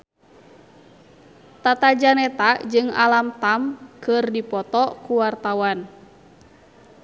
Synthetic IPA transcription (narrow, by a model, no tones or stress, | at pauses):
t̪at̪ad͡ʒanɛt̪aʔd͡ʒɨŋa̰lamt̪amkɨrdipɔt̪ɔkuwart̪awan